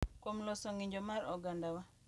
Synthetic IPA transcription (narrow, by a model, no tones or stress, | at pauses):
kwomlɔsɔŋiɲd͡ʒɔmaɾɔɡandawa